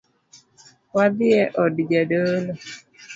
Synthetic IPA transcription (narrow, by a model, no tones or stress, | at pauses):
wad̪ɪɛʔɔdd͡ʒadolo